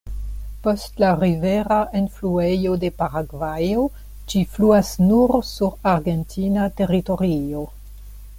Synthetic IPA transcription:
po̞stlaɾive̞ɾaʔenfluejo̞de̞paɾaɡvajo̞ | d͡ʒifluasnuɾsuɾaɾɡe̞ntʰinate̞ɾito̞ɾio̞

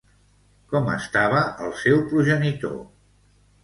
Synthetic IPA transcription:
kɔmə̰st̪aβəəlˠsɛwpɾuʒənit̪o̰

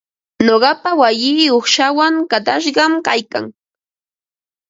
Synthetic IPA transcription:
noɢɑpawajɪoχʃawaŋkat̪aʃɢɑmkajka̰ŋ

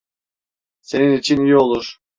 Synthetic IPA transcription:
se̞ninit͡ʃʰinijo̞lˠuɾ

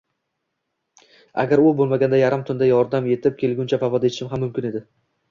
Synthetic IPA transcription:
a̰ɡʲaɾʊbolˠmaɡʲand̪ajaɾɪmt̪ʰʊnd̪ajɒɾd̪amje̞t̪ʰɪp̚kʲʰe̞lˠɡʲʊnt͡ʃʰapavɒd̪eɪ̥ʃɪmɦamːʊmkʲɪned̪ɪ

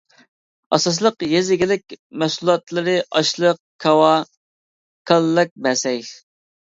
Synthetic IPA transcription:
ɑsɑs̬lˠəqjezɪɡʲɪlɪkʲmɛsulˠɑt̪lˠɨɾɨʔɑʃlˠəq̚kʰɑwɑ | kʰɑlːɨk̚ʲbɛsɛj

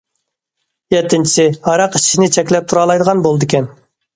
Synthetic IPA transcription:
jɛt̪ʰːɪnt͡ʃʰi̥sɪhɑɾɑqi̥ʃinɪt͡ʃʰɛkʲlɛp̚t̪ʰuɾɑlˠɑjd̪əʁɑnbolˠd̪ɪkʲɛn

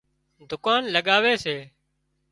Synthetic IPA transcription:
d̪ʱʊkaːnləɠaːʋeːseː

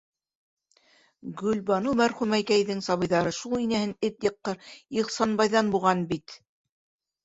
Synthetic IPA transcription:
ɡɵ̆lbɑnumæɾχʉmæjkæjðɘŋsɑβɤ̆jðɑɾɤʃulˠinæhɘnɘt̪jɤ̆qːɤɾiʁsɑnbɑjðɑnbuʁɑnbit̪

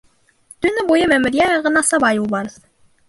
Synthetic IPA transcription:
t̪ɵ̆nɘbujɤmæmɘ̆ɾjæjɑʁɤ̆nɑsɑbɑjuwbɑɾɤð

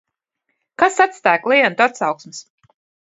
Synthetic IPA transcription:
kasat̪st̪æːklˠɛjant̪at̪sawksmɨs

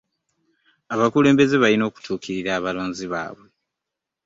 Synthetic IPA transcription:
aβakule̞ːmbe̞ze̞βalino̞ːku̥tʰuːkʰiɾiɾaːβaloːnziβa̰ːβwe̞

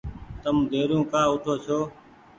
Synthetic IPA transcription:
t̪əmd̪ʱeːɾũːkaːʊʈʰoːt͡ʃʰoː

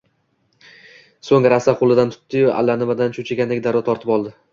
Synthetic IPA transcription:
soŋɾasaqʰolˠɪd̪ant̪ʰʊ̥t̪ːɪja̰lːanɪmad̪ant͡ʃʰʊt͡ʃʰɪɡʲand̪aɡʲɪd̪aɾd̪ɒt̪ʰɒɾt̪ʰɪpɒlˠd̪ɪ

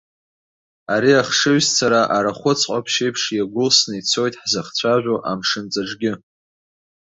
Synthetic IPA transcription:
aɾiaχʂɨɥzt͡sʰaɾaʔaɾaχʷʊt͡sʰqʼapʰʃejpʰʂjaɡʷʊlsnɨit͡sʰo̞jtʼħzaχt͡sʷʰaʒᶣʷoʔa̰mʂɨnt͡sʼaʈ͡ʂɡʲɪ

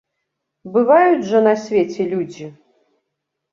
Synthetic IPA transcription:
bɨvajud͡zʐɐnasʲvʲet͡sʲɛlʲud͡zʲi

